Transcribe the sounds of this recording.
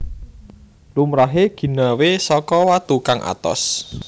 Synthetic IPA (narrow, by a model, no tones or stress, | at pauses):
lumɾaɦeɡ̥i̤nawesɔkɔwat̪ukaŋʔa̰t̪ɔ̰s